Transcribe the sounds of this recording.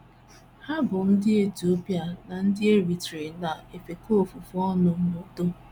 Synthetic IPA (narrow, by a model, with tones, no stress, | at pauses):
ha˦bʊ˨n̩˦dɪ˦e˦tu˨o˦pja˦na˨n̩˦dɪ˦e˦ɾi˨tɾe˨na˨e˨fe˨ko˦˨fu˨fu˦ɔ˦nʊ˨mo˨do˦